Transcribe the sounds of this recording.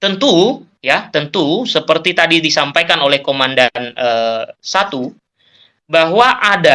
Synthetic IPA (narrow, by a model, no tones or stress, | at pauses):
t̪ənt̪u | jat̪ənt̪usəpərt̪it̪adidisampajkanolɛhkomandanəːsat̪u | baɦwaʔada